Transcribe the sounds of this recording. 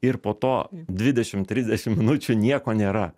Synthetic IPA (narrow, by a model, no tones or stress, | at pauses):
ɪɾpoːt̪oːd̪ʲʋʲɪd̪ʲɛʃʲɪmt̪ʲɾʲɪzʲd̪ʲɛʃʲɪmmʲɪnʊt͡ʃʲʊnʲiɛkoːnʲeːɾɐ